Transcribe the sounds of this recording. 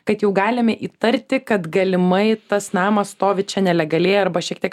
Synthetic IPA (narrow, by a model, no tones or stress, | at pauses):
kɐt̪jɛʊɡɑːlʲɪmʲɛʔiːt̪ɐɾʲt̪ʲɪkɐt̪ɡɐlʲɪmɐɪt̪ɐsnɑːmɐst̪oːʋʲɪt̪t͡ʃʲɛnʲɛlʲɛɡɐlʲeːjɐɾbɐʃʲiɛk̚t̪ʲiɛk